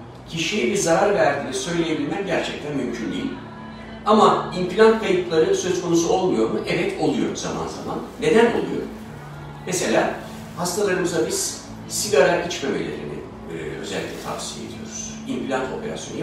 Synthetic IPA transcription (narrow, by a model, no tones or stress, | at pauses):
cʰiʃijibizaɾaɾvæɾd̪iːnisø̞jlʲejebilʲmæmɟæɾt͡ʃʰɛc̚t̪ʰænmymcʰynd̪ḭjilʲ | amaimplʲant̪mejuplˠaɾɯsø̞zkʰo̞nusuo̞lˠmujo̞ɾmuʔevɛt̪ʰo̞lˠujo̞ɾzama̰nza̰manːe̞d̪æno̞̰lˠujo̞̰ɾum | mese̞lʲa̰ː | hast̪ʰalˠaɾɯmɯzd̪abiz̥ | siɡaɾaʔit͡ʃbøbe̞̰lʲe̞̰ɾḭnɪ̰ | øzɛ̰lʲːicʲlʲɛt̪ʰa̰bsiːe̞d̪ijo̞̰ɾuz̥ | implʲant̪ʰo̞̰pʰe̞ɾa̰sjon